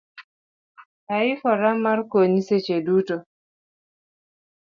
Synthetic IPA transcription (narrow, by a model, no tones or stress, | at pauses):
taɪfɔɾamarkoɲset͡ʃeduto